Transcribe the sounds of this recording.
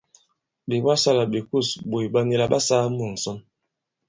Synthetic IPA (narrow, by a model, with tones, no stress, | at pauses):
be˨ba˦sa˦la˨be˨ku˦˨sbo˨i˨ba˦ni˦la˦ba˦saː˦mu˨n̩˨sɔ˦n